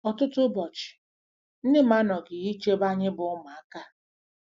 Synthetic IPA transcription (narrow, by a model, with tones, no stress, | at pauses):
ɔ˨tʊ˦tʊ˦bɔ˨t͡ʃɪ̥˨ | n̩˦dɪ˦ma˦nɔ˨ɡɪ˨i˦t͡ʃe˦ba˦ɲɪ˦bʊ˨ʊ˦ma˨a˨ka˦